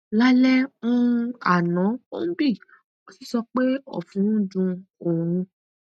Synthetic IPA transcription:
la˦lɛ˦ũ˦˧a˨nã˨˦o̰˦n̩˦bi˦˨ | o˦si˦˨sɔ˧k͡pe˦ɔ̰˦˨fũ˨˦dũ˧o˨ɾ̃ũ˧

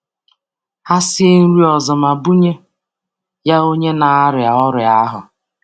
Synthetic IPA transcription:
ha˦sɪ˦e˦n̩˦ɾi˦ɔ˨zɔ˨ma˨bu˦ɲe˦ | ja˦o˦ɲe˦na˨a˦ɾɪ˨a˨ɔ˦ɾɪ˨a˦ɦʊ̰˨

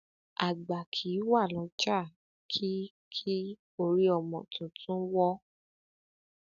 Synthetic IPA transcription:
a˨ɡ͡ba˨kʰi˨˦wa˦˨lɔ̃˨˧˦t͡ʃa˦˨ | kʰi˦ | kʰi˦ | o˧˨ɾi˦ɔ˦˨mɔ̃˨tũ˨tʰũ˦wɔ˦

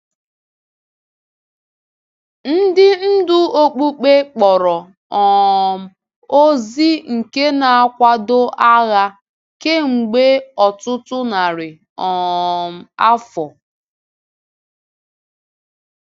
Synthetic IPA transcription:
n̩˦dɪ˦n̩˦dʊ˦o˦k͡pu˦k͡pe˦k͡pɔ˨ɾɔ˨ | ɔ˨m̩˨ | o˦zi˦ŋ̩˨ke˦na˨a˦kʷa˦do˦ʔa˦ɣa˦ | ke˦ŋ͡m̩˨ɡ͡be˦ɔ˨tʊ˦tʊ˦na˨ɾɪ˨ | ɔ˨m̩˨a˦fɔ˨

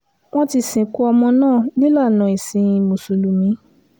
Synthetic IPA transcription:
w̃ɔ̃˦ti˧sĩ˨ku˦ɔ˧mɔ̃˧nãː˦˨nĩ˦la˦˨nã˨i˨sĩ˨˧˦ĩ˧mo˨su˨lu˨mĩ˨˦

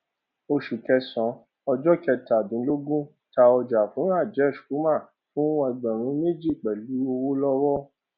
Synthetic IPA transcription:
o˧ʃu˨kɛ˧sɔ̃˨˦ | ɔ˧d͡ʒɔ˦kɛ˧ta˨dĩ˨˦lo˦ɡũ˦ | ta˧ɔ˧d͡ʒa˨fũ˨˦a˦˨d͡ʒɛ˦˨ʃku˨˦mã˦˨ | fũ˦wã˧i˧ɡ͡bɛ̃˨ɾ̃ũ˨˦me˦d͡ʒi˦˨k͡pɛ˨lu˨˦o˧wo˦lɔ˦wɔ˦

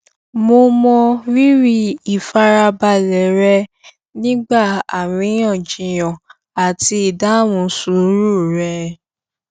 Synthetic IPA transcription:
mo˧mɔ̃˧ɾi˦ɾi˦i˨fa˧ɾa˧ba˧lɛ˨ɾɛ˧˦ | nĩ˦ɡ͡ba˦˨a˨wĩ˨˧˦j̃ɔ̃˦˨d͡ʒĩ˨j̃ɔ̃˨ | a˨ti˧˦i˨da˦wũ˧˦su˨˦ɾu˦˨ɾɛ˧˦

